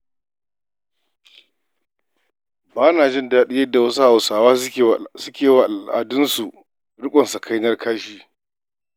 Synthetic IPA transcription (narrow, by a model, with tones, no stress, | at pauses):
baː˦naː˨d͡ʒɪ˦˨ndaː˦ɗɪ˦jɐ˦dːa˨wɐ˦su˦ha˨wsaː˨waː˦˨sʊ˦kʲeː˨wa˨ʔa̰˨dʊ˦nsu˨ | ɽʊ˦kʷʼɔ˨nsa˨kʰa˦jnɐ˦rkʰaː˦ʃiː˦